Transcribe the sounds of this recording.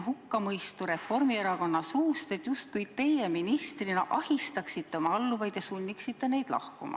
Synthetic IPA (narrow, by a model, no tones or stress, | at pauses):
ɦukːɑmɤjst̪uɾe̞fo̞rmie̞ɾɑko̞nːɑsuːst̪e̞t̪ːjust̪̚kujt̪e̞jeminist̪rinɑʔɑhist̪ɑksit̪ːe̞o̞mɑɑlːuvɑjd̪̥jɑsunʲːiksit̪ːˑe̞ne̞jd̪̥lɑ̰hkumɑ̰